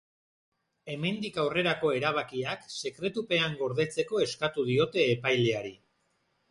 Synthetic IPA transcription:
e̞me̞nd̪ikawre̞ɾako̞e̞ɾaβ̞akiakse̞kɾe̞t̪upe̞aŋɡo̞ɾðe̞t͡se̞ko̞e̞skat̪uðio̞t̪e̞ːpajle̞aɾi

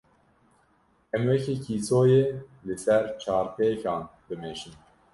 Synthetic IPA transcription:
ɛmwɛkʰekʰiːsoːjeːlɨsɛɾt͡ʃʰɑːɾpʰeːçɑːnbɨmeːʃɨm

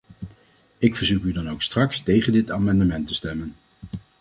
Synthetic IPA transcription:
ɪkfəɹzukydɑnowkstrɑkstejχəndɪtaːmɑndəmɛntəstɛmən

